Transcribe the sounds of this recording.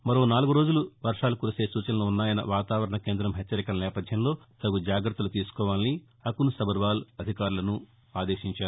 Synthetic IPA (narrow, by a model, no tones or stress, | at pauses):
mɐɾo̞ːnaːluɡuɾo̞ːd͡ʒuluʋɐɾʂaːlukuːɾuse̞ːsuːt͡ʃɐnɐluunːaːjɐnɐ̰ʋaːt̪aːʋɐɾɐɳɐke̞ːnd̪ɾɐmɦɛt͡ʃːɐɾikɐlɐnɛːpɐd̪ʱjɐmlo̞ː | t̪ɐɡud͡ʒaːɡɾɐt̪ːulut̪iːsu̥kɔːʋaːlni | ɐkunusɐbɐɾʋaːlɐd̪ʱikaːɾulɐnu | aːd̪e̞ːʃiɲt͡ʃaːɾu